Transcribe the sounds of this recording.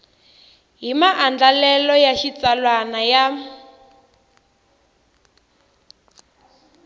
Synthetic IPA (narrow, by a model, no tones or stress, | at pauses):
ɦimaʔand͡ɮalɛlɔjaʃit͡salwanaja